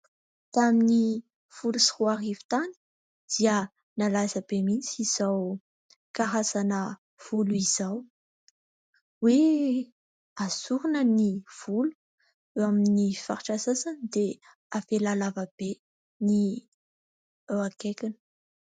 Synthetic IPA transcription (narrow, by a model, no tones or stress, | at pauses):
d̪̥eamini | fulusiuaɾivi̥t̪ani̥ | d̪̥iə | nalasəbemit͡siz̥aw | kaɾasanə | v̥uluiz̥aw | we | azuɾunəniv̥ulu̥ | eaminifa̰ɾiʈ͡ʂasasanid̪̥e | afelalavab̥e | ni | eakekinə̥